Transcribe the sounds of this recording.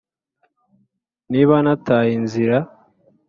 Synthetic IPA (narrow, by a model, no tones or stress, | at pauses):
niβanataːjinziɾa